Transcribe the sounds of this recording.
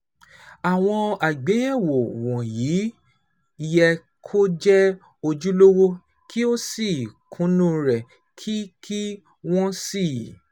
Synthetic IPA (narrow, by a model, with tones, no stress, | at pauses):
a˨w̃ɔ̃˧a˨ɡ͡be˨˦jɛ˦˨wo˨w̃ɔ̃˨ji˨˦ | i˧jɛ˧ | kʰo˦d͡ʒɛ˦ | o˧d͡ʒu˦lo˦wo˦ | kʰi˦o˦si˦˨kʰũ˨˦nũ˦ɾɛ˨ | kʰi˦kʰi˦ | w̃ɔ̃˦si˦˨